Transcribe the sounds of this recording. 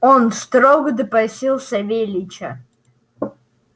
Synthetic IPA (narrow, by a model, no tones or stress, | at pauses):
ɔnst̪roɡd̪ɨpɐsʲilˠsɐvʲelʲit͡ʃʰɐ